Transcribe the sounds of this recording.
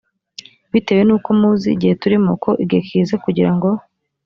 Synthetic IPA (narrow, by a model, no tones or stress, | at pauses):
βite̞ːwe̞nuːko̞muːzḭɟihe̞tuɾimokʰo̞ʔiɡekʰizekuɟiɾaŋɡo̞